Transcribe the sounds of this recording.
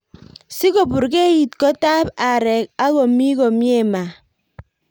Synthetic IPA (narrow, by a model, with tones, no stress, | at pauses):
si˦ko˨bu˨ɾke˦ji˨t̚ko˦ta˦pa˨ɾɛ˨k̚a˦ko˨mi˦ko˨mi˦e˦˨ma˨